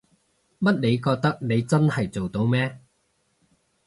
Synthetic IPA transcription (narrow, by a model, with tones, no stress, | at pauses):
mɐ˥t̚ne˨˧jkɔː˧k̚t̪ɐ˥k̚ne˨˧jt͡sɐ˥nhɐ˨jt͡so˨wt̪o˨˧wmɛː˥